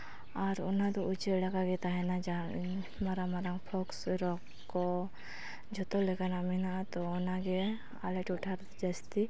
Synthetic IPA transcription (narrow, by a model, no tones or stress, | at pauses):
aɾɔ̰nad̪ɔut͡ʃɛɽakaɡɛt̪aɦɛnad͡ʒa | maɾamaɾaŋpʰɔksɾɔk | kːɔ | d͡ʒɔt̪ɔlɛkanaminat̪ɔːnaɡɛ | a̰lɛʈuʈʰaɾd̪d͡ʒast̪i